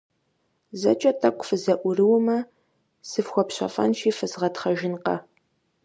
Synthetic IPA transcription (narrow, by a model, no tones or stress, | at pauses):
zɐ̰t͡ʃʼɐtʰʼɐkʷʰʼfɨzɐʔʷʊrɨwʊmɐ | sɨfxʷɔpɕɐ̰fɐ̰nʃiːfɨzʁɐtχɐʒɪnqɐ̰